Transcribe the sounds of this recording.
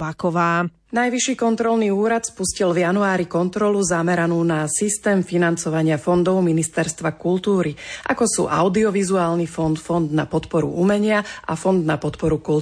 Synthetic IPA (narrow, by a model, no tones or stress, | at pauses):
bakɔʋaː | najʋiʃiːkɔnt̪ɾɔlniːuːɾat̪spuscilvjanuaːɾikɔnt̪ɾɔluzamɛɾanuːnasist̪ɛːmfinant͡sɔʋaɲɪafɔnd̪ɔʊminist̪ɛɾst̪ʋakult̪uːɾiʔa̰kɔsṵːʔa̰ʊd̪iɔʋizuaːlnifɔnd̪fɔnd̪napɔt̪pɔɾṵʔumɛɲɪaʔa̰fɔnd̪napɔt̪pɔɾukul